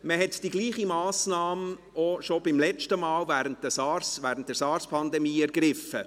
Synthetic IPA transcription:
məɦɛtd̥iɡliːχimɑːsnɑːm | oʃobɪmlɛt͡ʃtəmɑːlvæːɾəntdəsɑɾsvæːɾən̩t̚dɛɾsɑːɾspʰɑndɛmiːæɾɡɾɪfːə

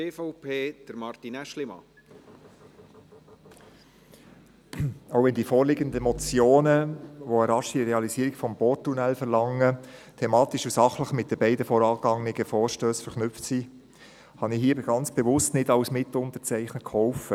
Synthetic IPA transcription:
eːfɔʊpʰeːd̪̥əɾmɑɾt̪inɛʃlɪmɑ̰ | oʊʋɛnd̥iːfɔːɾlɪɡənd̪əmɔt͡sjoːnəʋoəɾɑʃiɾeɑlisiːɾiɡfɔmbɔtːunɛlfəɾlɑŋːətʰemɑːt̪iʃusɑχləχmɪt̚d̥əbɛɪdəfɔɾɑːɡɑŋɪɡəfɔːɾʃtøːsfɛɾχnʏp͡ftsiː | hɑnɪɦiːəbəɡɑnt͡sb̥ɛvʊstnɪdɑwsmɪt̪ʊnt̪ət͡sæɪχnəkʰχɔʊfə

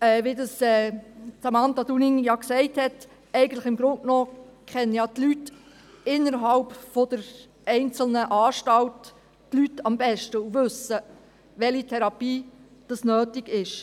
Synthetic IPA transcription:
ɛːʋidɑsɛːtɑmɑntɑdunɪŋjɑksɛɪthɛt | ɛɪɡən̩tləχɪmɡɾʊntnoːkχɛnːəjɑtlyt | ɪnːəɾɦɑlpfɔd̥əɾ | ɛɪnt͡sl̩nəʔɑːʃtɑltː | lytɑmbɛʃtəuvɵsə | ʋɛlitʰɛɾɑpiːd̥ɑsnøːtɪɡɪʃ

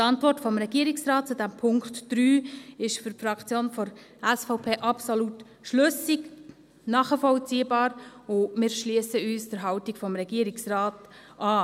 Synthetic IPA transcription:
tɑntvʋɔrtfɔmɾɛɡ̥iəɾɪksraːt̚t͡sudæmpʰʊŋktd̥ɾyːɪʃfʏɾfɾɑkt͡sjoːnfɔɾ | æsfaʊpʰeːʔɑpsolut | ʃløsik | nɑːχəfɔlt͡siːbɑːɾʊmɪːɾʃliəsəyːsd̥əɾɦɑltikfɔmɾɛɡ̥iːəɾɪksraːt | ʔɑː

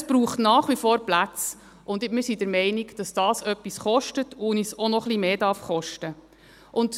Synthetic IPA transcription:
sb̥ɾuːχtnɑːχʋifɔːɾplæt͡s | ʔʊndmɪɾsidəɾmɛɪniɡd̥ɑsd̥ɑːsœpːisχɔʃtətʰunisɔnɔχlimeːdɑɾfχɔʃtə | ʔʊnd

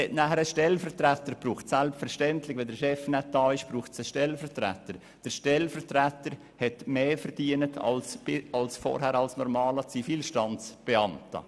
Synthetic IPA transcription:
hɛtnæːhəɾəʃtɛlfəɾtɾætəɾb̥ɾuːχtsælpfəɾʃtɛntlɪçʋɛndəɾʃɛfnɛt̚dɑːɪʃb̥ɾuːχtsəʃtɛlfəɾtɾæ̰təɾ | d̥əɾʃtɛlfətɾætəɾ | hɛtmeːfəɾd̥iənətʰɑ̰lsbɪɑlsfɔ̰ːɾɦhæɾɑlsnɔɾmɑːlət͡sifiːlʃtɑnt͡sb̥ɛɑntə̰

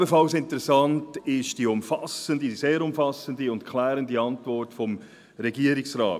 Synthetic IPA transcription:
əfɑlsɪntəɾɛsɑntɪʃd̥iʊmfɑsəndiiseːɾʊmfɑsəndiʊntkʰlæːɾəndiɑntvɔrtfɔm | ɾɛɡiːəɾɪksɾɑ̰ː

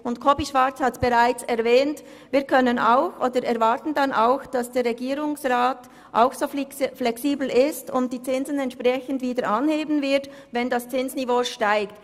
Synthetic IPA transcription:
ʊntkʰɔbiʃv̥aɾt͡shatb̥eʁaɪt͡sɛɐvɛːnt | viːɐkʰœnənaʊxʔoːdəɾɛɾvaɾtn̩dɑnʔa̰ʊxd̥asd̥eːɾːɛɡiːɾʊŋsʁaːt | ʔa̰ʊxsoːflɛksiːbl̩ɪstʊntd̥iːt͡sɪnzən̩ɛntʃpʁɛçən̩dviːdəɾʔɑnheːbən̩vɪɐd | vɛndast͡sɪnsnivoːʃtaɪkt

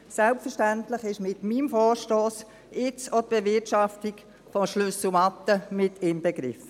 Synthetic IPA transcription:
sɛlpfəɾʃtæntləχɪʃmɪtmiːmfɔːɾʃtoːs | ɪt͡sɔt̪̚b̥evɪtʃɑftik | fɔʃlʏsʊmɑt̪ːəmɪtʰɪmbɛɡɾɪ̰f

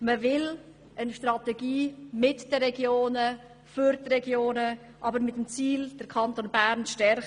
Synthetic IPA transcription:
məvɪl | ənʃtrɑtɛɡiːmɪtd̥əɾɛɡjoːnə | fʏɾtrɛɡjoːnə | ʔɑbəɾmɪtəmt͡siːld̥əɾkʰɑntonbæːɾnʃtɛɾχ

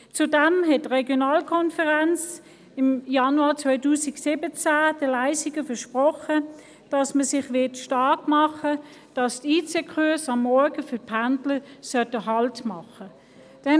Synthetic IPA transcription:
t͡sudæmɦɛt̚tʁɛɡjonɑːlkʰɔnfəʁant͡s | ɪmjɑnuɑːt͡sʋœʏtuːsɪɡsibət͡sæːd̥əlæɪsiɡəfəʃpʁɔχə | d̥ɑsməsɪχʋɪɐtʃtɑɐkmɑχə | d̥ɑstiːt͡sekʰuɐsɑmːɔɐɡəfʏpʰandləsœtəɦɑltmɑχə | d̥ɛn

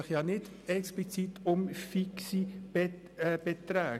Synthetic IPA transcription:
ɪχjɑːnɪd̥ | ɛksplit͡sit̪ʰʊmfiksib | b̥et̪ɾæː

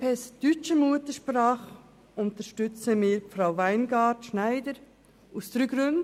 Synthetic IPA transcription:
pɛsd̥yt͡ʃəmuətəʃpɾɑːχ | ʊnt̪əʃtʏt͡səmɪːɾfɾaʊvæɪnɡɑːɾtʃnæɪdəɾ | ustɾyɡɾøn

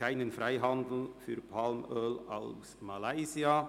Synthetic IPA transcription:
aɪnənfraɪɦɑnd̪l̩fy̰ːɾpʰalmøːla̰lsmalaɪzia

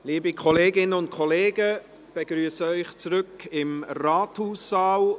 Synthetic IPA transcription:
liːbikʰɔleːɡɪnənʊntkʰɔleːɡə | b̥eɡ̥ɾyːəsəœʏχt͡sɾʏkɪmraːthuːsːɑːl

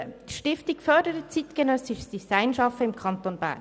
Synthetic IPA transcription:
ətʃtɪftɪkfœdəɾət͡siːt̪kənœsɪʃsd̥isaɪnʃɑfəɪmkʰɑnt̪oːnb̥æ̰ː

